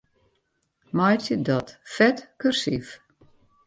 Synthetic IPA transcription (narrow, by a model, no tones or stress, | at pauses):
majtjədɔtfɛtkyrsif